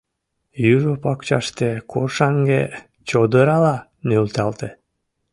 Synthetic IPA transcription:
jyʒopɑkt͡ɕɑ̰ʃt̪ekorʃɑŋɡḛ | t͡ɕod̪əɾɑlɑ | nølt̪ɑlt̪e

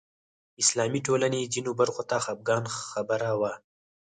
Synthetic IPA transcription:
ɪslɑːmiʈoːlaned͡ʒinubaɾxot̪axab̚ɡɑːnxabəɾawa

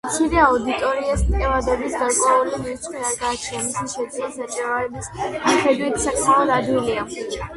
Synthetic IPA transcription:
t̪sʰid̪ɛaud̪it̪ʼɔɾiɛsmkʼɛvad̪ɛbisɡaɾkʼwɛulimit̪t͡ʃ̪ʼqʼwiaɡaːt͡ʃʰnɛmisiʃɛd̪zilisat͡ʃʼɛvaɾɛbismaχɛd̪wit̪ʰsakʰmalˠɔd̪ad̪wilia

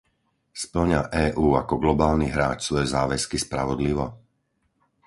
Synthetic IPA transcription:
spl̩ɲaʔɛːʔuːakɔɡlɔbaːlniɦɾaːt͡ʃsʋɔjɛzaːʋɛskispɾaʋɔd̪liʋɔ

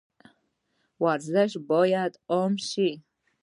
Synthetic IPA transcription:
waɾzaʃbɔjad̪ɔmʃi

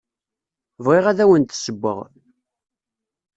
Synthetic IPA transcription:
vʁɪʁæðæwənt̪səbʷːə̰ʁ

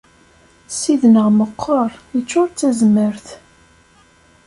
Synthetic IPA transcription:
siðnəʁməqʰːəɾˤət͡ʃːʊɾt͡sːæzməɾθ

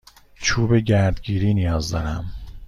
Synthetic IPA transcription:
t͡ʃʰuːbeɟæɾd̪ɟiːɾiːnijɒːzd̪ɒːɾæ̰m

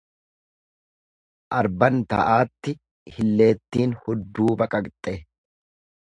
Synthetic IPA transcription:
ʔɐɾbɐnt̪ɐ̰ʔaːt̪ːɪ | hɪlːe̞ːt̪ːiːnhɔd̪ːuːbɐkʼɐkt̪ʼːɛ

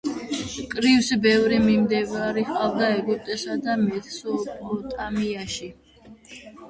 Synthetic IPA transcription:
kʼɾifsbɛvɾimimd̪ɛvaɾiχqʼavd̪aɛɡupt̪ʼɛsad̪amɛt̪sɔɔt̪ʼamiaʃi

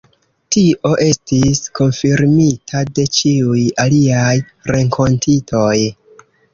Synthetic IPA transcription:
tiʔo̞ʔe̞stisko̞nfiɾmitʰade̞t͡ʃiujaliaj | ɾe̞ŋkʰo̞ntʰitʰo̞j

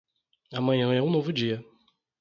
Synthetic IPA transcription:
amɐ̃ɲɐ̃ɛũnovʊd͡ʒiɐ

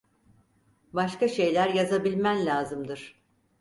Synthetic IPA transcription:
baʃkaʃe̞jlʲæɾjazabilʲmænlʲaːzɯmd̪ɯɾ̥

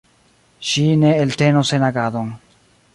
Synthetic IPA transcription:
ʃineːlt̪enosenaɡaðoŋ

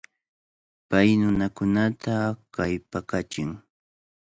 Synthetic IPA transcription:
pajnʊnakʊnat̪akajpakat͡ʃɪŋ

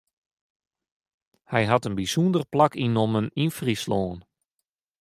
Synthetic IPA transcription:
hɛjɦatənbisundərplakinɔməninfrisloːn

